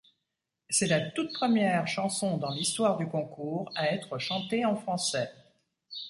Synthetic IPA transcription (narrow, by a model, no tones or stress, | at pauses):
sɛlat̪ut̪̚pχəmjɛʁʃɑ̃sɔ̃d̪ɑ̃list̪waʁd̪ykɔ̃kuːʁaɛt̪χəʃɑ̃t̪eɑ̃fχɑ̃sɛ